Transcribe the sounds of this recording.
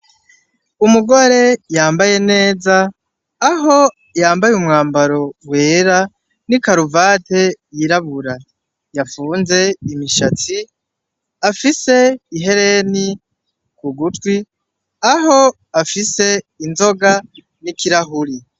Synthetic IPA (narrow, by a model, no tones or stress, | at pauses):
umuɡo̞ɾe̞jaːmbaje̞ne̞ːzaː | ɦo̞ | jaːmbajumŋaːmbaɾo̞we̞ːɾa | nikaɾuvate̞jiɾaβuɾa | jafuːnze̞imiʃat͡si | afise̞iɦe̞ɾe̞ni | kuɡutwi | aɦo̞ | afise̞inzo̞ɡa | nikiɾaɦuɾi